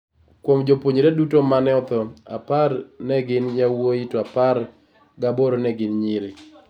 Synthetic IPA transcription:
kwomd͡ʒopwoɲiɾedutomanɛɔt̪ɔa̰parnɛɡɪnjawoitoapar | ɡaboɾonɛɡɪnɲɪɾɪ

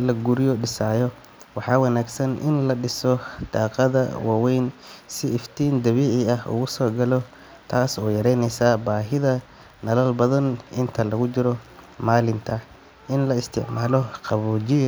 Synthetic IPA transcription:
lɐɡʊɾɪjɔɖɪsaːjɔ | wɑħɑːwɑnaːɡsɐnʔɪ̰nlɐɖɪsɔd̪̥aːqɑðɐ̰wɑːwɛjnsɪɪft̪ʰiːnd̪ɐβiːʕɪɐhʊ̰ɣʊsɔːɡɐlɔ | t̪ʰaːsɔːjɐɾɛjnɛjsaːbaːɦɪðɐ | nɐlɐlbɐðɐnɪnt̪ʰɐlɐɣʊt͡ʃɪɾɔ | maːlɪnt̪ʰɐ | ɪnlɐɪst̪ʰɪ̰ʕmaːlɔqɑβuːt͡ʃɪ

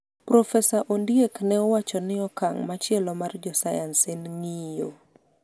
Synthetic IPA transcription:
pɾɔfɛsaʔondjeknɛɔwat͡ʃɔnɪɔkaŋmat͡ʃjɛlɔmard͡ʒɔsajansenŋijo

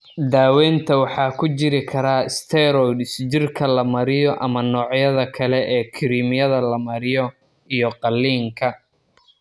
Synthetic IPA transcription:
d̪aːwɛːnt̪ʰɐwɑħɑːkʰʊt͡ʃɪɾɪkʰɐɾaːɪst̪ʰɛɾɔjd̪ɪsd͡ʒɪrkʰɐlɐmɐɾɪjɔʔɐmɐnɔːʕjɐðɐkʰɐlɛʔɛːkʰɪɾiːmɪjɐðɐlɐmɐɾɪjɔ | ijɔqɑlːiːŋkʰɐ

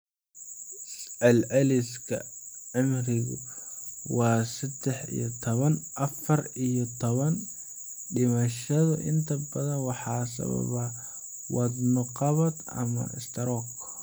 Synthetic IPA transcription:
sɛlʕɛlɪskʰɐ̰ʕɪmrɪɣʊ̰ | wɑːsɐd̪ɛħḭjɔt̪ʰɔβɐnʔɐfɐrijɔt̪ʰɔβɐn | ɖɪmɐʃɐðʊ̰ʔɪ̰nt̪ʰɐbɐðɐnwɑħɑːsɐ̰βɐ̰βɐ | wɑd̪nʊqɑβɐd̪ɐ̰mɐ̰ɪ̰st̪ʰɐɾɔk

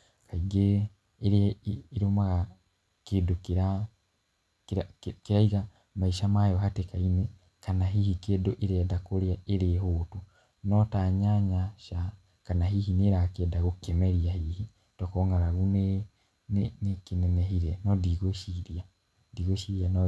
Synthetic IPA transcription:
kaiɡeː | ɾiɾomaɣa | keːdokeɾa | kɾakeɾaiɣa | maiʃamajɔhatekainɛ | kanaɦihikeːdoʔeɾedakoɾeaʔeɾeɦoːtu | nɔtaɲaɲaʃa | kanaɦihineɾakedaɣokemɛɾiahihi | tɔkoŋɡaɾaɣune | nenekinɛnɛɦiɾɛnɔdiɣoʃiɾia | diɣoʃiɾianɔ

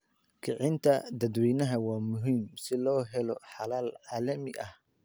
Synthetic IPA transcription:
kʰɪʕɪnt̪ʰɐd̪ɐd̪wiːnɐɦɐwɑːmʊɦiːmsɪlɔːɦɛlɔħɑlaːlʕaːlɐmɪʔɐh

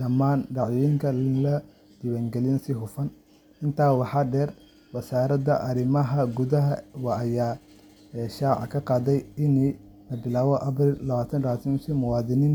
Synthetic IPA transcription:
ɖɐmaːnɖɑʕjɪŋkʰɐlɐ | d̪ɪwɛːŋɡɛlinsɪɦʊfɐn | ʔɪnt̪ʰaːwɑħɑːɖɛːr | wɐsaːɾɐdɐʔɐɾɪmɐɦɐɡʊðɐɦɐwɑʔːjaː | ʃaːʕɑ̰kʰɐqɑːðɛjɪni | lɐbɪlaːβɔʔɐbɾilɐβaːt̪ʰɐnrɐaːt̪ʰɪnsɪmʊwɑːðɪnɪn

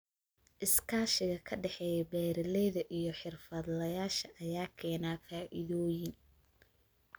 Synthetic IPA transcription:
ʔɪskʰaːʃɪɣɐkʰɐɖɛħɛːjɛbɛːɾɪlɛðɐʔijɞħɪrfɐd̪lɐjaːʃɐʔɐjaːkʰɛːnaːfaːʔɪðɔːjɪn

